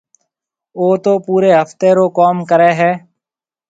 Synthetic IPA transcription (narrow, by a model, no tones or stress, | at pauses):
oːt̪oːpuːɾeːɦəft̪eːɾoːkɔːmkəɾeːɦɛː